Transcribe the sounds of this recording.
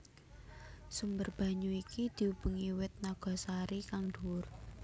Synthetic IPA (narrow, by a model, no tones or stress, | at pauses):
sumbərb̥a̤ɲuikid̪̥i̤ub̥ṳŋiwɪt̪̚naɡ̥ɔ̤saɾikaŋd̪̥uʊr